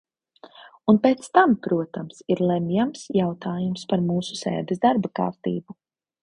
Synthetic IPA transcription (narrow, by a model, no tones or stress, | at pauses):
unpɛt̪st̪ampɾuɔt̪amsiɾlˠɛmjamsjawt̪ʰaːjumspaɾmuːsu̥sɛ̰ːd̪ɛsd̪aɾbaka̰ːɾt̪ḭːbu